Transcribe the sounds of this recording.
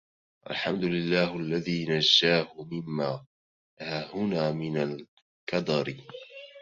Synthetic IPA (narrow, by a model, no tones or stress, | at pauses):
ʔa̰lħamd̪ʊlɪlːaːhʔalːaðiːnad͡ʒːaːhʊmɪmːaː | haːhʊnaːmɪnal | kɑd̪ɑɾ